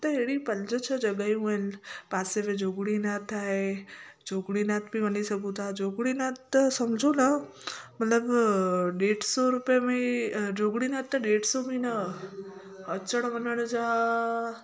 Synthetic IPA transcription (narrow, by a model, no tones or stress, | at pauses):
t̪əeɽipəld͡ʒət͡ʃʰəd͡ʒəɡajũelpaseʋed͡ʒoɡɽinat̪ʰajd͡ʒoɡɽinat̪bʱĩbənisəkũt̪ad͡ʒoɡɽinat̪səmd͡ʒʱonə | mət̪ləbɖeʈsoɾupjamid͡ʒoɡɽinat̪ːaɖeʈsominə | ət͡ʃəɽ̃ʋənəɽd͡ʒa